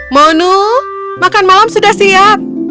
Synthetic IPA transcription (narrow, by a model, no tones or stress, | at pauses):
monu | makanmalamsudahsiap̚